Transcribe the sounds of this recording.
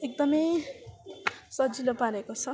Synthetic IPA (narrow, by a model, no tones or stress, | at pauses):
ek̚d̪ʌmʌj | sʌd͡zilopaɾekot͡sʰʌ